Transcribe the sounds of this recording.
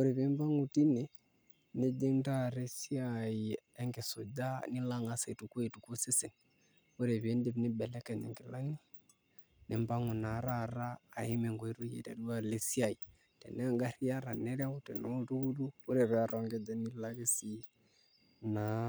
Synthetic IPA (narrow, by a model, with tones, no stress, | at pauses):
u˦ɾe˨βe˨˦mba˦ŋu˨ti˦nɛ˨ | ne˦d͡ʒe˦n˦ta˦ɾe˦si˦ai˨ɛ˦ŋɡe˨so˨d͡ʒa˦ni˦la˦ŋa˦sa˨i˨tu˨kwi˨tu˨ku˦se˦se˨n | u˦ɾɛ˨βje˦nde˦βnɪ˦bɛ˨lɛ˦kɛ˨ɲɛ̰˨ŋɡɪ˨la˦ŋi˦ | nɪ˨mba˦ŋu˨na˨˦ɾa˦˨ɾaː˦˨i˦mɛ˨ŋɡo˨i˦ɾu˦jḛ˨ta̰˨du˦a˦le˨si˦a˨i˨ | tɛ̰˨nɛ˦ŋɡa˦ɾi˦a˦ɾa˨nɛ˦ɾa˦u˦tɛ˨no˦tu˦ɡu˦duː˦ɾɛ˨βɛ˦a˨ɾɔ˨ŋɡɛ˦d͡ʒa˦ni˦la˦ɣe˦si˦ | na˨